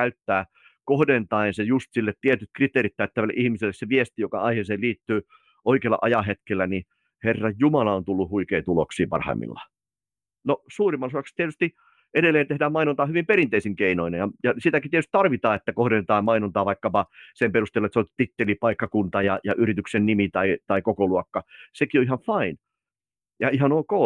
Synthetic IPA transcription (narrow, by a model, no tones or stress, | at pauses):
æyt̪ːæː | kohdent̪ɑinsejust̪silːet̪t̪iet̪yt̪̚krit̪ˑeːɾit̪t̪æyt̪ːæʋælːḛʔihmiselːeseʋiest̪ijokɑ̰ɑiheːseːliːt̪ːyː | ʔoikeːlɑ̰ʔɑjɑɦet̪kelːæni | herːɑjjumɑlɑont̪ulːuhhuikeit̪uloksiːpɑ̰rhɑ̰imːḭlːɑ̰ | nosuːrimːɑlsoɑkst̪iet̪yst̪i | ʔeɾelːˑeːnt̪ehdæːmɑinont̪ɑːhyʋimpeɾint̪eisiŋkeinoinejɑjɑsit̪ækit̪iet̪yst̪t̪ɑrʋit̪ɑːet̪ːækohɾenːet̪ɑːmɑinont̪ɑːʋɑikːɑpɑsemperust̪eːlːoet̪sot̪it̪ːelipɑikːɑkunt̪ɑjɑjɑʔyrit̪yksennimit̪ɑit̪ɑikokoluɑkːɑsekioihɑɱfɑin | jɑihɑnoːko